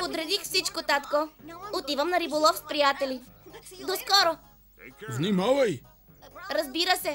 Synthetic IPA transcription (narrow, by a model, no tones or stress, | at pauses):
pod̪ɾɛd̪ixfsit͡ʃkot̪at̪koot̪ivəmnɐɾibolˠɔfspɾijat̪ɛlid̪oskɔɾo | vnimavɐj | ɾɐzbiɾəsɛ